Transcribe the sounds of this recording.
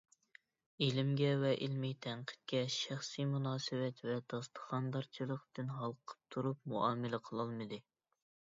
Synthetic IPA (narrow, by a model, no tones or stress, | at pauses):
elɪmɡʲɛvɛʔilmijt̪ʰɛɴqʰə̥t̪̚kʲɛʃæχsijmunɑːsɨvɛt̪vɛd̪ɑst̪ʰə̥χɑnd̪ɑɾt͡ʃʰilˠəqd̪ɨnɦɑlˠqʰə̥p̚t̪ʰuɾup̚muʔɑːmɪlɪqʰəlˠɑlˠmɨd̪ɨ